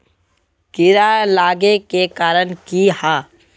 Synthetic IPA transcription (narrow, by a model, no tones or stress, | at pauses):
kɪɾalaːɡekekaːɾənkihaː